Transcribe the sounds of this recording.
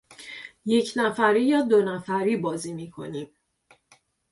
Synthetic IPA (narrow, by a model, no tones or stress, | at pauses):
je̞cʰnæfæɾiːjɒːd̪onæfæɾiːbɒːziːmiːkʰo̞̰niːm